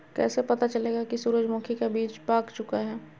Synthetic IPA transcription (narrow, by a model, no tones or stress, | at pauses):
kɛ̰ːsepɐt̪at͡ʃɐleːɡakisuɾəd͡ʒmõːkʰikebiːt͡ʃbaːkt͡ʃʊkaɦɛː